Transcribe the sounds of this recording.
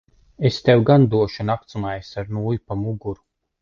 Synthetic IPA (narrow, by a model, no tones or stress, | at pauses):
est̪ewɡand̪uɔʃunak̚t̪sumajsaɾnuːjupamuɡuɾu